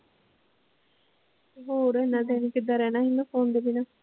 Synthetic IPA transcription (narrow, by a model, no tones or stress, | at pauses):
ɦoːɾɛnãːd̪ɛːnikɪd̪aːɾɛːnaːind̪apʰoːnd̪eːbinaː